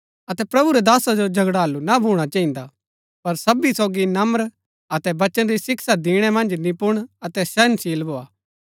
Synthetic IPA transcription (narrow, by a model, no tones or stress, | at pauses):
ɐt̪ɛpɾɐbuɾɛd̪aːsad͡ʒod͡ʒʱɐɡɽaːɐlːunabʱuːɽ̃at͡ʃaːĩːnd̪a | pɐɾsɐbisoːɡinɐməɾ | ɐt̪ɛbɐt͡ʃənɾisɪksad̪iːɽ̃ɛmɐ̃nd͡ʒnĩpʊɽ̃ɐt̪ɛsɛnsiːlboːaː